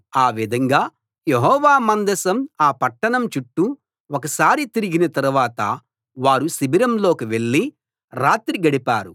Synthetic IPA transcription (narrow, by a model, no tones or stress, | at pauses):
aːʋid̪ʱɐŋɡaː | je̞ɦɔːʋaːmɐnd̪ɐsɐmaːpɐʈːɐɳɐmt͡ʃuʈːu | wokɐsaːɾit̪iɾiɡinɐt̪ɐɾuʋaːt̪ɐ̰ | ʋaːɾusibʱiɾɐmlo̞ːkiʋe̞ɭːi | ɾaːt̪ɾiɡɐɽipaːɾu